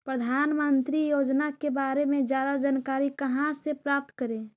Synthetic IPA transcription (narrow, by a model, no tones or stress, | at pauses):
pɾəd̪ʱaːnmənt̪ɾijoːd͡ʒnakebaːɾemẽd͡ʒjaːd̪ad͡ʒankaːɾikəɦãsepɾaːp̚t̪kəɾẽ